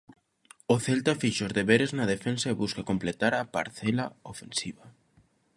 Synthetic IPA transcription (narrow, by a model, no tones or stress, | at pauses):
oθɛlt̪afiʃozðeβeɾeznɐðefensaeβuskakomplet̪aɾapa̰ɾθɛlaofensiβa